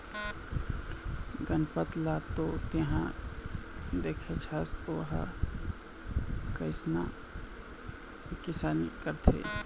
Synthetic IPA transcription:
ɡənpət̪lat̪ot̪eɦã | d̪eːkʰet͡ʃʰasoːɦa̰ | kəɪsna | kɪsaːnḭkəɾt̪ʰḛ

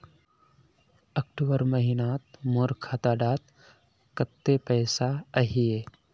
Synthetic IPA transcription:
ɐk̚ʈobəɾməɦinaːt̪moːɾkʰaːt̪aɖaːt̪ | kət̪ːepəjsaəɦie

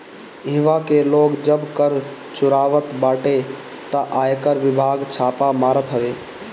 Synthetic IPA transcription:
ɪʋakeloːkd͡ʒəbkəɾt͡ʃʊɾaːʋət̪baːʈe | t̪aʔaːjkəɾʋɪbʱaːɡt͡ʃʰaːpamaːɾət̪ɦəʋeː

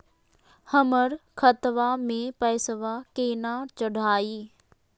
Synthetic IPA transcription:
həməɾkʰɐt̪ʋamẽpɐːsəʋakeːnaːɾt͡ʃəɽʱaːiː

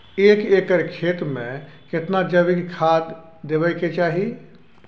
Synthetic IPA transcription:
eːkeːkəɾkʰeːt̪mẽ | kɪt̪nad͡ʒəʋɪkkʰaːd̪ | d̪eʋəjket͡ʃaːɦi

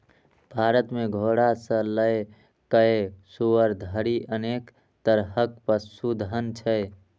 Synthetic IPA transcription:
bʱaɾət̪meɡʱoɽasə̃ləe | kəesuʋəɾd̪ʱəɾiʔənek | t̪əɾɦək̚pəsud̪ʱɦənt͡ʃʰə

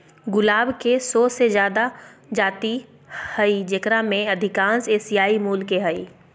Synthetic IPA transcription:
ɡʊlaːbkesɔːsezjaːd̪ad͡ʒaːt̪i | həid͡ʒekɾamẽɐd̪ʱɪkãːnseːsijaːimuːlkeɦəiː

